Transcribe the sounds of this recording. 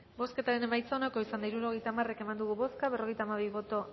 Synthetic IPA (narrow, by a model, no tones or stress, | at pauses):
bo̞ske̞t̪aɾe̞ne̞majt͡saonako̞isand̪aiɾuɾo̞ɣe̞jt̪aːmare̞ke̞mand̪uɣuβo̞skaβero̞ɣe̞jt̪aːmaβ̞iβo̞t̪o̞